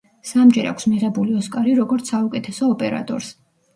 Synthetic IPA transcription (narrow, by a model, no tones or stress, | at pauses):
samd͡ʒɛɾa̰kʰsmiʁɛbuliɔskʼaɾiɾɔɡɔɾt̪sʰaukʼɛt̪ʰɛsɔːpʼɛ̰ɾa̰t̪ʼɔ̰ɾs